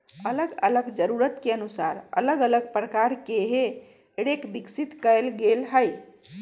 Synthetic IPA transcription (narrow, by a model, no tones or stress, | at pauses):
ələɡələɡd͡ʒəɾuɾət̪keənusaɾə̰ləɡələɡpɾəkaɾkeɦe | eɽekbiksit̪kəɪlɡelɦəj